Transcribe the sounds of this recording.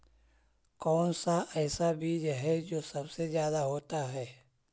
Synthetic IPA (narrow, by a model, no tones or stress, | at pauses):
kɔːnsaʔɛːsabʱid͡ʒɦɛd͡ʒoːsɐbsezjaːd̪aɦoːt̪aɦɛː